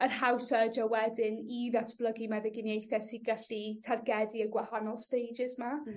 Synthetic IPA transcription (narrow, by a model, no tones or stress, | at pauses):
ərhawsəd͡ʒawɛdɪniðatʰb̥lˠəɡimɛðɛɡɪnjejθɛsiɡəɬitʰarɡɛdiəɡwahanɔlˠstejd͡ʒɪzma